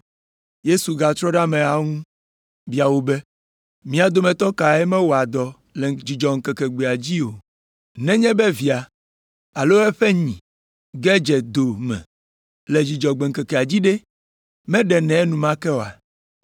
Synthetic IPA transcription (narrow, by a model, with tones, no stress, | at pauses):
je˦su˨ɡa˨t̪ɾɔ˦ɖa˦mɛ̃˨a˨ŋũ˦ | bi˦a˨wo˦bɛ˦ | mĩ˦a˨d̪o˦mɛ̃˨t̪ɔ˦ka˨ɛ˦mɛ̃˦wo˨a˨d̪ɔ˨ | le˨d͡ʑi˨d͡ʒɔ˨ŋ̩˨kɛ˨kɛ˨ɡ͡be˨a˨d͡ʑi˦o˨ | nɛ̃˦ɲɛ̃˦bɛ˦vi˨a˨ | a˨lo˦ɛ˦ɸɛ˦ɲĩ˨ | ɡɛ˦d͡ʒɛ˨d̪o˨mɛ̰̃˨ | le˨d͡ʑi˨d͡ʒɔ˨ɡ͡bɛ˨ŋ̩˨kɛ˨kɛ˨a˨d͡ʑi˦ɖe˦ | mɛ̃˦ɖɛ˨nɛ̃˨ɛ˦nũ˨mã˦kɛ˦wo˨a̰˨